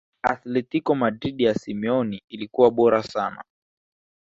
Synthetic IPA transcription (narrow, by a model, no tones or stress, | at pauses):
aθlɛtikɔmadɾiɗijasimɛɔniːlikuwaɓɔɾasana̰